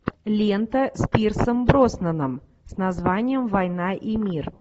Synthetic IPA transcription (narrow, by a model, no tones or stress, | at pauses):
lʲent̪əsʲpʲirsəmbɾosnənəm | snɐzvanʲɪjəmvɐjnaʔimʲir